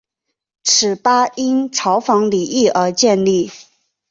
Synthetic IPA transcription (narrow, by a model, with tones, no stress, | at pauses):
ʈ͡ʂʰɻ̩˨˩pa˥i˥nʈ͡ʂʰɑ˧˥ʊfɑ˧˥ŋli˨˩i˥˩ʔə˞˧˥t͡ɕjɛ˥˧nli˥˩